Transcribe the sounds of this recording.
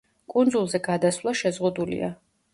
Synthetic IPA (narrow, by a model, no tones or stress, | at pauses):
kʼund̪zulˠzɛɡad̪aslˠaʃɛzʁud̪ulḭa̰